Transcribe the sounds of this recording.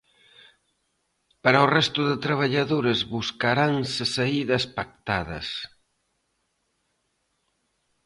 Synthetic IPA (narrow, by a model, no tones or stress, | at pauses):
paɾɐurɛst̪ʊðet̪ɾɐβ̞ɐʎaðoɾezβuskaɾansɪsɐiðɐspak̚t̪aðɐ̰s